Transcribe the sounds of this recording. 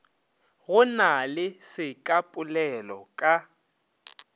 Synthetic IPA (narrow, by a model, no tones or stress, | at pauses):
ɣʊnalɪsɪkʼapʼʊlɛlɔkʼa